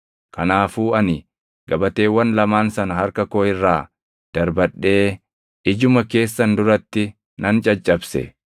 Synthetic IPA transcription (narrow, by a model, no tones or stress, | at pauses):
kɐnaːfuːɐnɪ | ɡ̥ɐbɐt̪e̞ːwːɐnlɐmaːnsɐnɐɦɐɾkɐkoːɪrːaː | d̪̥ɐɾbɐɗːe̞ː | ʔɪd͡ʒʊmɐke̞ːsːɐnd̪ʊɾɐt̪ːɪ | nʔɐnt͡ʃʼɐt͡ʃʼːɐbsɛ̰